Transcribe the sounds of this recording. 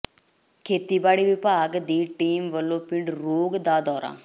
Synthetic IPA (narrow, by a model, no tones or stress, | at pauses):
kʰeːt̪iːbaːɽiːʋɪpaːɡd̪iːʈiːmʋəlːõːpɪɳɖɾoːɡd̪aːd̪ɔːɾa̰ː